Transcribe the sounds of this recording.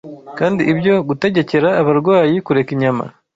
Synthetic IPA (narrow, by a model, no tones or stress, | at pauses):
kaːndiʔːbjo̞ɡute̞ɟe̞ce̞ɾaːβaɾɡwaːjikuɾe̞kiɲama̰